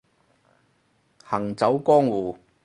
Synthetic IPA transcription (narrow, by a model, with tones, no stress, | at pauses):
hɐ˨˩ŋt͡sɐ˨˥wkɔː˥ŋwuː˨˩